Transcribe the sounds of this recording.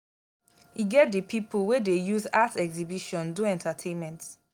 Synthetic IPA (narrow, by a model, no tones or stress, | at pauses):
hiɡɛt̚dəpʰipulwedejuzatɛkzibiʃɔ̃nduɛ̃ntatʰẽnmɛ̃nt